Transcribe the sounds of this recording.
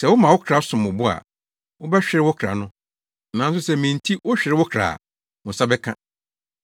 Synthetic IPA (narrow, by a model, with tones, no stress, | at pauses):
sɛ˨wʊ˦mã˨wʊ˦kʰɾa˦sʊ̃˨mʊ˨bʊ˦a̰˨ | wʊ˦bɛ˦ɕᶣɪ˨ɾɪ˦wʊ˦kʰɾa̰˨nʊ̃˦ | nã˨n̩˦s̬ʊ˦sɛ˦mĩ˨n̩˨tʰi˦wʊ˦ɕᶣɪ˨ɾɪ˦wʊ˦kʰɾa̰˨ | wʊ̃˨sa˦bɛ˦kʰã̰˦